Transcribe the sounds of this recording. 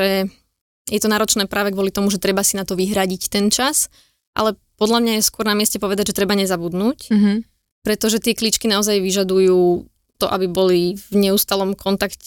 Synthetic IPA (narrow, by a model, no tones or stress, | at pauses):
ɛ | jɛt̪ɔnaːɾɔt͡ʃnɛːpɾʔaːʋɛɡʋɔlit̪ɔmuʒɛt̪ɾɛbasinat̪ɔʋiɦɾaɟict̪ɛnt͡ʃas | ʔa̰lɛpɔd̪lʎamɲajɛskʊɔɾnamɪɛscɛpɔʋɛd̪aɟʒɛt̪ɾɛbaɲɛzabud̪nuːc | pɾɛt̪ɔʒɛt̪ɪɛklit͡ʃkinaɔzajʋiʒad̪ujuː | t̪ɔʔabibɔlivɲɛust̪alɔmkʰɔnt̪akcɛ